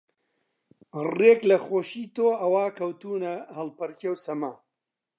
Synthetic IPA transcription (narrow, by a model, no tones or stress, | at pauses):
reːklɐxoːʃiːt̪oːɐwaːkɐwt̪uːnɐhɐlpɐɾcewsɐmaː